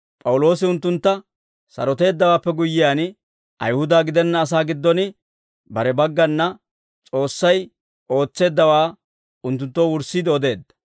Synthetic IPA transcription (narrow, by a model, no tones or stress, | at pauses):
pʼɐwlo̞ːsɪʊnt̪ːʊnt̪ːɐ | sɐ̰ɾɔt̪e̞ːd̪ːɐwaːpːɛɡʊjːɪjaːnɪ | ʔɐ̰jhʊd̪aːɡɪd̪ɛnːɐːs̬aːɡɪd̪ːɔnɪ | bɐɾɛbɐɡːɐnːɐ | t͡sʼo̞ːsːɐj | o̞ːt͡sːe̞ːd̪ːɐwaː | ʊnt̪ːʊnt̪ːowʊɾsid̪ɪɔd̪e̞ːd̪ːɐ̥